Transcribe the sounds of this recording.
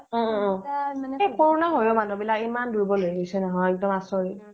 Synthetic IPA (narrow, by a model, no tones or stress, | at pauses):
ɔ̃ | epɔɹɔnaɦojomanubilakimandʱuɹbɔlojɡisɛnɔɦɔjɛk̚dɔmasɔɹi